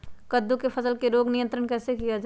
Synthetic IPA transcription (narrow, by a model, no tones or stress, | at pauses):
kɐd̪ːukefʰɐsəlkeɾoːɡnɪjə̃nt̪ɾənkɛːsekijad͡ʒa